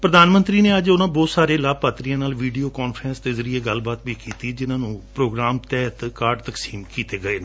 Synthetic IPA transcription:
pɾəd̪aːnmə̃nt̪ɾiːneːəd͡ʒʊnãːbɔːt̪saːɾeːlaːpaːt̪ɾijãːnaːlʋiːɖijoːkɔːnpʰɾə̃nst̪eːzəɾieːɡəlːbaːt̪ʋiːkiːt̪iːd͡ʒɪnãːnũːpɾoːɡɾaːmt̪ɛːt̪kaːɖt̪əksiːmkiːt̪eːɡəeːnː

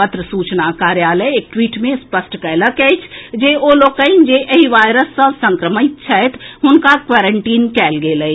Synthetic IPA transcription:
pət̪ɾəsuːt͡ʃnakaːɾjaːləjeːk̚ʈwiːʈmẽspəsʈkɛləkɛɪt͡ʃʰd͡ʒeːʔoːloːɡ̚kəind͡ʒeʔəiʋaːjɾəsːə̃sə̃ŋkɾəmɪt̪̚t͡ʃʰɛet̪ʰɦʊnkakʋaːɾəɳʈiːnkɛːlɡeːləi

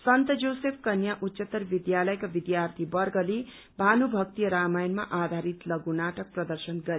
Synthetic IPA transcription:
sʌnt̪ʌd͡zowsepʰkʌnjaʔutːsʌt̪ːʌrbid̪jalʌjkabid̪jart̪ʰibʌrɡʌle | bʱanubʱʌk̚t̪ijʌɾamajnma̰ʔad̪ʱaɾit̪lʌɡunaʈʌk̚prʌd̪ʌrsʌnɡʌɾe

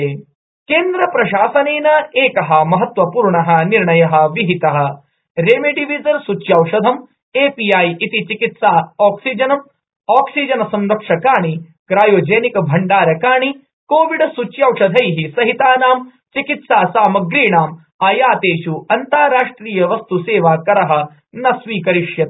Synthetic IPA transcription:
keːnd̪ɾɐpɾɐʃaːsɐneːnɐeːkɐɦɐmɐɦɐt̪ʋɐpuːɾɳɐɦɐniɾɳɐjɐɦɐ̆ʋiɦit̪ɐɦɐ̆ | ɾeːmeɖiʋizɐɾsut͡ʃjaːwʂɐd̪ʱɐm | eːpijaːjʔit̪it͡ʃikit̪saːaːksid͡ʒɐnɐm | aːksid͡ʒɐnɐsɐmɾɐkʂɐkaːɳi | kɾaːjoːd͡ʒeːnikɐbʱɐɳɖaːɾɐkaːɳi | koːʋiɖsut͡ʃjaːwʂɐd̪ʱɐjɦisɐɦit̪aːnaːm | t͡ʃikit̪saːsaːmɐɡɾiːɳaːm | aːjaːt̪eːʃuɐnt̪aːɾaːʂʈɾiːjɐʋɐst̪useːʋaːkɐɾɐɦɐ̆ | nɐsʋiːkɐɾiʂjɐt̪̚

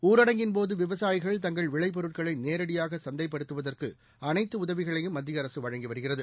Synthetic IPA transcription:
uːɾɐɽɐŋɡɪnpoːðɯʋɪʋɐsaːjɪɣɐɭt̪ɐŋɡɐɭʋɪɭɐɪp̬ɔɾɯʈ̚kɐɭɐɪneːɾɐɽɪjaːɣɐsɐnd̪ɐɪpːɐɽɯt̪ːɯʋɐðɐrkɯ | ɐnɐɪt̪ːɯʊðɐʋɪɣɐɭɐjɯmːɐd̪ːɪjɐɾɐsɯʋɐɻɐŋɡiʋɐɾɯɣɪrɐðɯ

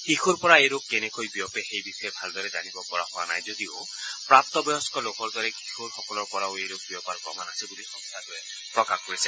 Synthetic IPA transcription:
xixuɹpɔɹaejɾokːenekojbijɔpexejbisɔɛbʱald̪ɔɾɛzanibɔkɔɹa̰pɔa̰na̰jzod̪io | pɹap̚t̪ɔbɔjɔskɔlokɔɹd̪ɔɾɛkixuɹxɔkɔlɔɹpɔɾaoejɾok̚biɔpaɾpɔ̰manasʰibulixɔst̪ʰaɾue | pɹɔkakːoisʰɛ

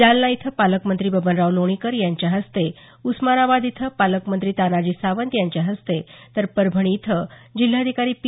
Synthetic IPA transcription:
alːait̪ʰəpaləkmənt̪ɾiːbəbənɾaʋloɽ̃ikəɾjaɲt͡ɕjaɦəst̪e | usmaɾabad̪it̪ʰəpaləkmənt̪ɾiːt̪anad͡ʑiːsaʋənt̪jaɲt͡ɕjaɦəst̪et̪əɾpəɾbʱəɽ̃iːt̪ʰəd͡ʑil̤ːaəd̪ʱikaɾiːp

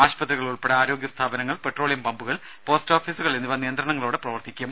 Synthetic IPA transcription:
aːɕpɐt̪riɣɐɭuɭpe̞ɽɐaːɾo̞ːɡjɐst̪ʰaːbɐnɐŋːɐɭpe̞ʈro̞ːɭijɐmpɐmbuɣɐɭ | po̞ːstoːfiːsuɣɐɭenːiʋɐnijɐnd̪ɾɐɳɐŋːɐɭoːɽeprɐʋɐrt̪ʰikʲːum

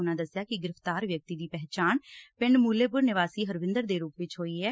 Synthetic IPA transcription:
ʊnãːd̪əsjaːkɪɡɪɾəft̪aːɾʋjək̚t̪iːd̪iːpɛɦt͡ʃaːnpɪɳɖmuːleːpʊɾnɪʋaːsiːɦəɾʋɪ̃nd̪əɾd̪eːɾuːpʋɪt͡ʃɦoːiːɦɛː

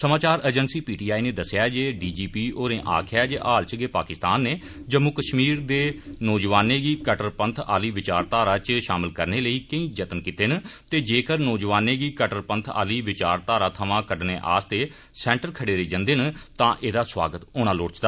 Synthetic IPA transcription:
səmaːt͡ʃaːɾəːd͡ʒənsiːpiːʈiːaːiːneːd̪əsɪjaːd͡ʒeːɖiːd͡ʒiːpiːoːɾẽːʔa̰ːkʰjaːd͡ʒeːʔaːlt͡ʃəɡeːpaːkɪst̪aːnːeː | d͡ʒəmuːkəʃmiːɾd̪eːnɔːd͡ʒʋaːneːɡiːkəʈəɾpənt̪ʰa̰ːliːʋɪt͡ʃaːɾt̪aːɾaːt͡ʃʃaːmɪlkəɾneːləiːkəĩːd͡ʒət̪ənkiːt̪eːnt̪eːd͡ʒeːkəɾnɔːd͡ʒʋaːnẽːɡiːkəʈəɾpənt̪ʰa̰ːliːʋɪt͡ʃaːɾt̪aːɾaːt̪ʰəʋãːkəɖneːʔa̰ːst̪eː | sɛ̃ːɳʈəɾkʰəɽeːɾeːd͡ʒənd̪eːnt̪ãːʔeːd̪aːsʋa̰ːɡət̪ʊñãːloːɾt͡ʃd̪aː

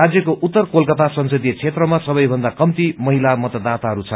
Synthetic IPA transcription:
ad͡zjʌkoʔut̪ːʌrkolkʌt̪asʌnsʌd̪ijʌt͡sʰet̪rʌmasʌbʌjbʱʌnd̪akʌmt̪imʌɦilamʌt̪ʌd̪at̪aɦʌɾut͡sʰʌ

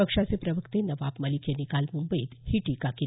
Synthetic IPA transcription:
əkʂat͡sepɾəʋəkt̪enəʋabməlikjenikalmumbəiːt̪hiʈikaki

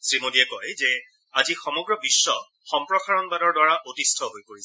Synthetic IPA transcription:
sɹimodiɛkɔjzɛ | azixɔmɔɡɹɔbisːɔ | xɔmpɹɔkaɹɔnbadɔɹdwaɹaʔotistʰɔɦojpoɹis

